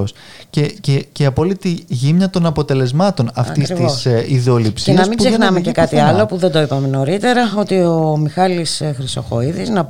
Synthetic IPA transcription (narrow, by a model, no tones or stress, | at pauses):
os | cececeiɐpolit̪iʝimɲɐt̪o̞nɐpo̞t̪e̞le̞zmɐt̪o̞nɐfft̪ist̪isiðo̞lipseinɐsmiɡzexnɐmecekɐt̪iɐlo̞puðed̪o̞ipɐmeno̞ɾit̪e̞ɾɐo̞t̪ioomixɐlisxɾist̪oxo̞̰iðiznɐ